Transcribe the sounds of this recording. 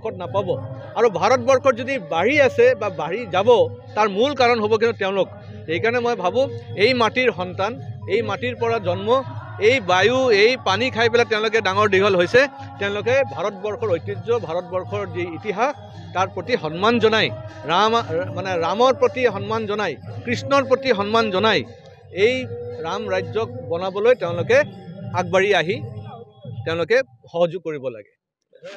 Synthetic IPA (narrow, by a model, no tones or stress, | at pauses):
kʰɔt̚napabɔ | aɹubʱaɹɔt̚bɔɹkʰɔɹzodibaɹiasɛbabaɹizabɔtaɹmulkaɹɔnɦobɔk̬inʊtɛʊ̃lʊk̚ | xejkaɹɔnɛmojbʱabʊ̃ejmatiɹxɔntanejmatiɹpɔɹazɔnmɔ | ejbajuejpanikʰajpɛlatɛʊ̃lʊk̬ɛdaŋɔɹdiɡʱɔlɦojsɛ | tɛʊ̃lʊkɛbʱaɹɔtbɔɹxɔɹojtːizɔbʱaɹɔtbɔɹxʰɔɹziːtiɦax | taɹpɹotiɦɔnmanzɔnajamanɛɹamɔɹpɹotiɦɔnmanzɔnajkɹisnɔɹpɹotiɦɔnmanzɔnaj | ejɹamɹajzɔk̚bɔnabɔlojtɛʊ̃lʊkɛaɡ̚baɹiaɦi | tɛ̃ʊ̃lʊkɛ | xɔɦɔzʊɡ̚kːoɹibɔla̰ɡɛ